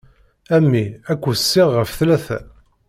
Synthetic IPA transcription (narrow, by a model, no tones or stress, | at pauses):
æmːiækʷːusːɪʁːəfθlæθæ̰